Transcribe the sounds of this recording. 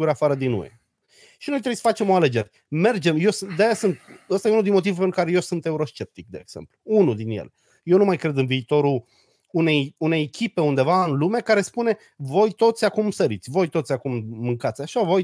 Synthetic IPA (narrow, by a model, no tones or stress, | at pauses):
uɾeafaɾəd̪inṵḛ | ʃino̞jt̪ɾejsə̥fat͡ʃe̞mo̞ale̞d͡ʒe̞ɾe | me̞rd͡ʒe̞mje̞wsɨd̪eajasɨnt̪̚əst̪ajunuld̪inmo̞t̪ivupenɾu̥kaɾeje̞wsɨnt̪e̞uɾo̞st͡ʃe̞p̚t̪ik̚d̪e̞eːɡ̥z̥e̞̰mpluunud̪injḛle̞ | je̞wnumajkɾe̞d̪ɨnviːt̪o̞ɾuː | ne̞june̞jekʲipe̞und̪e̞vaɨnlume̞kaɾe̞spune̞ | vo̞jt̪o̞t̪sʲakumsəɾit̪sʲvo̞jt̪o̞t̪sʲakumːɨŋkat̪sʲaʃavo̞j